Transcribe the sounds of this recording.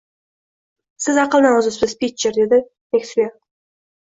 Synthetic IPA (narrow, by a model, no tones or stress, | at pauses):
sɪzɑqəlˠnɑʊzəzbɪspʲit͡ʃːeɾd̪e̞d̪ɪ | mekʲt̪ɪlʲe